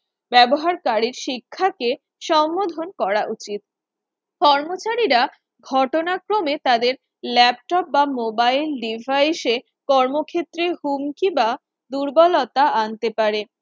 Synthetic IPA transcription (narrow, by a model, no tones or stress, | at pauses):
bɛboɦaɾkaɾiɾʃikʰːake | ʃɔmːod̪ʱonkɔɾaʔut͡ɕit̪̚ | kɔɾmot͡ɕaɾiɾa | ɡʱɔʈonakɾomet̪ad̪eɾ | lɛp̚ʈɔp̚bamobailɖivʱajʃe | kɔɾmokʰet̪ːɾeɦumkiba | d̪uɾbɔlɔt̪aant̪epaɾe